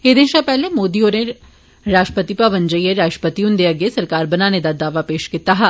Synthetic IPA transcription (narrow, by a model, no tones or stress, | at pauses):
ed̪ɪnʃapɛɦlemoːd̪ioːɾẽ | ɾaːʃʈəpət̪ipaʋə̃nd͡ʒəieɾaːʃʈə̥pət̪iũnd̪eɐɡesɐɾkaːɾbɐnaned̪ad̪aːʋapeːʃkɪt̪aɦa